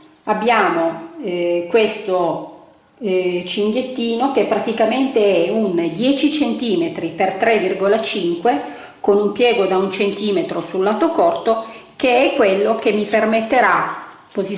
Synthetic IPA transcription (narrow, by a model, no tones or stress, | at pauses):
abːjaːmo | kwest̪o | t͡ʃiŋɡ̪jet̪ːiːnokepːɾat̪ikament̪eɛund̪jɛːt͡ʃit͡ʃent̪iːmet̪ɾipert̪ɾɛvːirɡolat͡ʃiŋkwe | konumpjɛːɡod̪aunt͡ʃent̪iːmet̪ɾosulːaːt̪okɔrt̪okeɛkːwelːok̟emːipermet̪ːeɾapozi